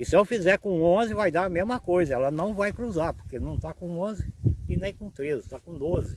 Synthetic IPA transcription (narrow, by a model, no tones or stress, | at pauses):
ɪsɪɛwfizɛɾkõõzɪvajd̪aɐmezmɐkojzɐɛlɐnɐ̃w̃vajkɾuzaɾpoɾkenɐ̃w̃t̪akõõzɪɪnẽj̃kõt̪ɾezɪt̪akõd̪ozɪ